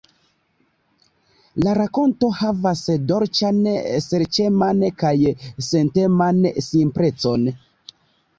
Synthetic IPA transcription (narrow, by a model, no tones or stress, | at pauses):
laɾako̞nto̞havasdo̞ɾt͡ʃanseɾt͡ʃemankajse̞nte̞mansimpɾe̞t͡so̞n